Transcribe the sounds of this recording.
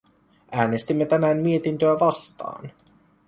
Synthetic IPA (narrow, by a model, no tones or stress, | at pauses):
ʔæːnest̪imːet̪ænæːnːie̞t̪int̪øæʋɑst̪ɑ̰ːn